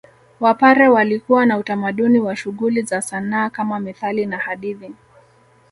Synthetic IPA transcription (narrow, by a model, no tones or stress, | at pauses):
wapaɾɛwalikuwanautamaɗuniwaʃuɣulizasanaːkamamiθalinahaɗiði